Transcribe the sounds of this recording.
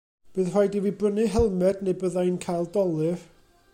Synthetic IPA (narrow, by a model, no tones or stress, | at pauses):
b̥ɨːðr̥ajdivibrənɨɦɛlˠmɛdnebəðajnkʰajlˠdɔlˠɨv